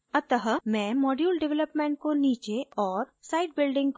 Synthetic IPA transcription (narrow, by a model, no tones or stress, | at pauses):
ɐt̪əɦəmɛ̃ːmɔːɖjuːlɖɪʋɛləpmẽːɳʈ̚koniːt͡ʃeɔːɾsaːɪʈ̚bɪlɖɪ̃ŋɡk